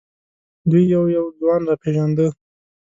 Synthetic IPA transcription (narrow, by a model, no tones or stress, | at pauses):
d̪ujːawjawzwɑnɾɑpeʒand̪ə